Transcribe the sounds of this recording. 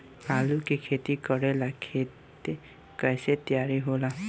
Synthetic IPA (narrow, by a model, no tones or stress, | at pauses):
kaːlukekʰet̪ikəɽelakʰet̪e | kɛjset̪jaːɾiɦola